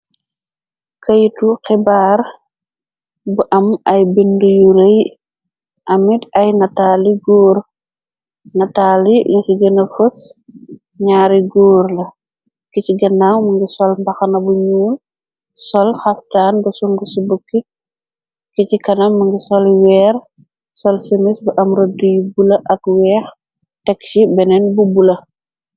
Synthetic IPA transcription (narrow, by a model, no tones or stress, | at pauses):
kʰɐjtuxɛbaːr | buʔɐmɐjbindujuɾɐj | ʔɐmitɐjnɐtaːliɡoːɾ | nɐtaːliɲusiɡənɐfus | ɲaːɾiɡoːrlɐ | kiciɡɐnːawmɐŋɡisɔlmbɐxɐnɐbuɲuːl | sɔlxɐftaːnbɐsuŋɡusubəkːi | kicikɐnɐmːəŋɡisɔlwɛːr | sɔlsəmisbuʔɐmɾodujubulɐʔɐkwɛːx | tɛksibɛnɛnbubulɐ